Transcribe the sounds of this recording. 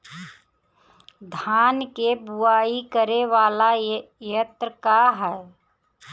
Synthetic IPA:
d̪ʱaːnkebuaːikəɾeʋaːlajət̪ɾəkaɦɛ

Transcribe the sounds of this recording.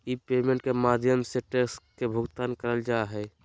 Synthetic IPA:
ipemẽɳʈkemaːd̪ʱjəmseʈesʈkebʱʊɡt̪aːnkəɾəld͡ʒaeɦɛː

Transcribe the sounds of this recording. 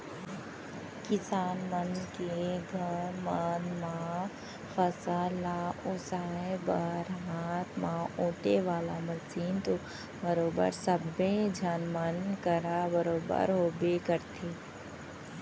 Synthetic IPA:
kɪsaːnmənkeɡʱəɾmanmã | fəsaːlaʔʊsaːbəɾɦaːt̪ʰmãʔõːʈeʋaːlamɐsiːnt̪o | bəɾoːbə̰ɾsəbed͡ʒaːnmənkəɾabəɾoːbə̰ɾɦoːbekəɾt̪ʰeː

